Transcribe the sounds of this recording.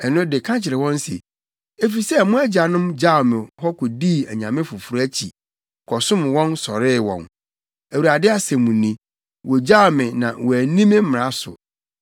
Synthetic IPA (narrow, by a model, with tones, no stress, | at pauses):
ɛ˨nʊ̃˦dɪ˨kʰã˦t͡ɕʰɪ˨ɾɪ˨wɔ̃˦nsɛ̰˨ | e˦fi˨sɛ˦˨mʊ̃˦æ˦d͡ʑa˨nʊ̃˦md͡ʑa˦˨mɪ̃˨hɔ˦kʰɔ˨di˦˨æ˨ɲã˨mɪ̃˦fʊ˨fʊ˨ɾæ˦t͡ɕʰi˨ | kʰɔ˨sʊ̃˦mwɔ̃˦nsɔ˨ɾɪ˦˨wɔ̰̃˨n | æ˨wu˨ɾa˨dɪ˦a˨sɛ̃˨mũ˨nːĩ˦ | wʔɔ˨d͡ʑa˦˨mɪ̃˨nã̰˨wɔ˨æ˨nĩ˦mɪ̃˦m̩˦mɪ̃˨ɾa˦sʊ̰˨